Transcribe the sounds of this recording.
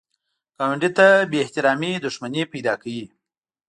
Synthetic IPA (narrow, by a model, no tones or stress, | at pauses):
kawɪɳɖit̪abeːht̪ɪɾɑmid̪ʊʂmanepajd̪ɑkawi